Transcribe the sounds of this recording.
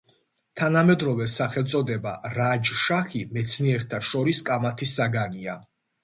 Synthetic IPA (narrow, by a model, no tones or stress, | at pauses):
t̪ʰanamɛd̪ɾɔvɛsaχɛlˠt̪sʼɔd̪ɛba̰ɾad͡ʒʃaχimɛt̪sʰniɛɾt̪ʰaʃɔɾiskʼamat̪ʰisːaɡania